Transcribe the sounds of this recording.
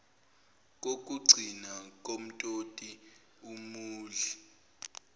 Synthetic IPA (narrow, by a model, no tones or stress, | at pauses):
k̬ʼok̬ʼuɡ͡ǀʱinak̬ʼom̩tʼotʼi | umuːɮɛ